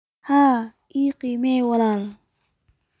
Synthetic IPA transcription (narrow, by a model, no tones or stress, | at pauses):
ha | iqimewalal